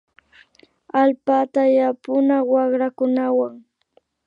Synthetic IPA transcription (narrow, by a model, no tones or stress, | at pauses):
alpat̪ajapʊnawɑχɾakʊnawaŋ